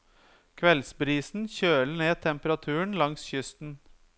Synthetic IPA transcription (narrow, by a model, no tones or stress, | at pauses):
kʰʋɛlsbɾiːsn̩çøːləneːt̪ʰɛmpəɾɑt̪ʰʉːəɳlɑŋsçʏst̪n̩